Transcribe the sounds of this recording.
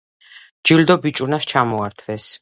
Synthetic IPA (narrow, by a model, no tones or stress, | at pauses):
d͡ʒild̪ɔbit͡ʃʼunast͡ʃʰamɔaɾt̪ʰvɛs